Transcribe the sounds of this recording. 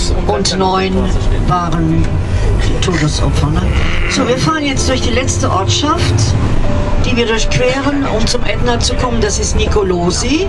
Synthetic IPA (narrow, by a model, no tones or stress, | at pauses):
ʔʊntnɔʏnvaːʁən | tʰoːdəsʔɔ̰pfɐnə | z̥oːviːɐfaːʁənjɛt͡std̥ʊɐçd̥iːlɛt͡stəʔɔɐtʃaft | d̥iːviːɐdʊɐçkv̥ɛːʁənʊ̰mt͡sʊmʔɛdnɐt͡sukʰɔməndasɪstnikoloːzi